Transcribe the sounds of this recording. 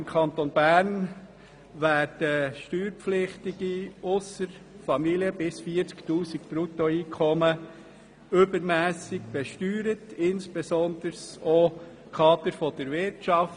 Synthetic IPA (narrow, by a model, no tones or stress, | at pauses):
ɪmkʰɑnt̪onbæːɾn | ʋæːɾd̥əʃtyːɾpflɪχtɪɡ̥iʊsəɾfɑmiliəbɪsfiːəɾt͡sktuːsikpɾutoiːkʰɔmə | ʏbəɾmæːsɪɡb̥ɛʃtyːɾətɪnsb̥ɛsɔnd̪̥əɾso | kʰɑːd̪əɾfɔd̥əɾʋɪɾtt͡ʃɑf